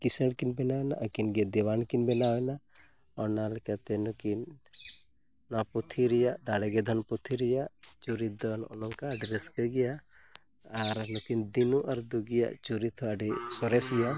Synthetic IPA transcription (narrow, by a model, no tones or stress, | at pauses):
kiseɽkinbɛnawɛnaʔəkinɡed̪ɛwankinbɛnawɛna | ɔɾnalkɛt̪ɛnɔkin | aput̪ʰiɾijad̪aɽɛɡɛd̪ʱɔnput̪ʰiɾijat͡ʃuɾid̪ɔnɔ̰lɔŋkaːɖɾeskeɡija | aɾnɔkind̪inuʔɐɾd̪uɡija̰t͡ʃuɾit̪ʰɔaɖisɔɾɛsɡija